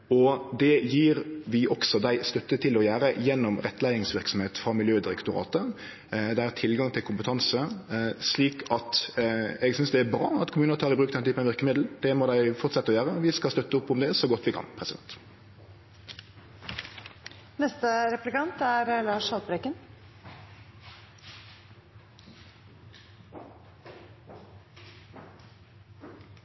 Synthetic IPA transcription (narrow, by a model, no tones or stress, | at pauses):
ɔd̪ɛjiːɾʋɪʔɔksɔd̪æɪst̪œt̪ːət̪ʰɪlɔjæːɾəjɛnːɔmʁɛt̪ːlæɪɪŋsʋɪɾksɔmheːt̪fʁɑmɪljøːd̪ɪɾɛkt̪ʊɾɑ̰ːt̪ə | d̪ææt̪ʰɪlɡɑŋt̪ʰɪlkʰʊmpət̪ʰɑnsəsliːkʰɑt̪ɛɡsʏnsd̪ɛæɾbɾɑ̰ːɑt̪kʰʊmʉːnət̪ʰɑːɾɪbɾʉːkd̪ɛnt̪yːpənɑʋɪɾkəmɪd̪l̩d̪̥ɛmɔd̪æɪfɔʁt̪sɛt̪ːəɔjæːʁəʋɪskɑst̪œt̪ːəʊpːʊmd̪ɛɛsɔɡɔt̪ːʋɪkʰɑ̰npʰʁɛsɪd̪ɛ̰nt̪ | nɛst̪əɾɛplɪkɑnt̪æɾlɑːʂhɑlt̪bɾɛkən